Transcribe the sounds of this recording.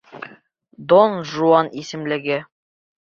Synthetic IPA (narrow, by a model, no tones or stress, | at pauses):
d̪onʒuɑnisɘ̆mlɘ̆ɡɘ